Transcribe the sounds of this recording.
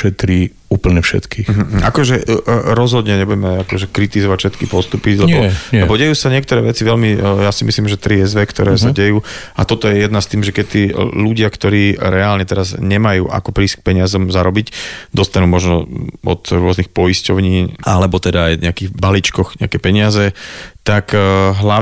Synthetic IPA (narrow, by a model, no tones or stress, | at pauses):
ʃɛt̪ɾiː | uːpl̩ɲɛfʃɛ̰t̪kiːxm̩ɦ̩ʔakɔʒɛɾɔzɦɔd̪ɲɛɲɛbuɟɛmɛakɔʒɛkɾit̪izɔʋacfʃɛt̪kipɔst̪upilɛbɔlɛbɔɟɛjuːsaɲɪɛk̚t̪ɔɾɛːʋɛt͡siʋɛʎmijasimisliːmʒɛt̪ɾiɛzʋɛkt̪ɔɾɛːsaɟɛjuːa̰t̪ɔt̪ɔjɛjɛd̪nast̪iːmʒɛkɛt̪iːluɟɪakt̪ɔɾiːɾɛaːlɲɛt̪ɛɾazɲɛmajṵːʔa̰kɔpɾiːsk̚pɛɲɪazɔmzaɾɔbicd̪ɔst̪anuːmɔʒnɔɔ̰t̪ɾʊɔznixpɔjiscɔʊɲiːalɛbɔt̪ɛd̪aːjɲɛakiɣbalit͡ʃkɔxɲɛakɛpɛɲɪazɛt̪akɦla